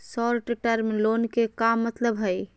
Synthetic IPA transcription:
sɔɾʈeʈəɾmlonkekamːət̪ləbɦəj

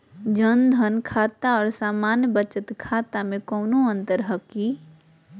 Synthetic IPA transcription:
d͡ʒənd̪ʱənkʰaːt̪aɔːɾsaːmaːnjəbət͡ʃət̪kʰaːt̪amẽkɔːnoə̃nt̪əɾɦəki

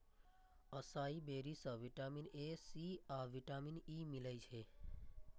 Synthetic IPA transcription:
əsaibeɾisəʋiʈaminesiaʋiʈaminimilajt͡ʃʰe

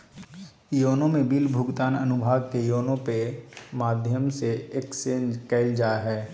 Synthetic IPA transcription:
joːnõmẽbɪlbʱʊɡt̪aːnɐnʊbʱaːɡkejoːnõpemaːd̪ʱjəmseeːksẽːnd͡ʒkɛːɪld͡ʒaːɦɛː

